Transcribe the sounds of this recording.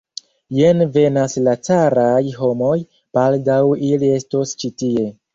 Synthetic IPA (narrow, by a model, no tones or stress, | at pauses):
jenve̞naslat͡saɾajɦo̞mo̞j | b̥aldawilie̞stost͡ʃitie̞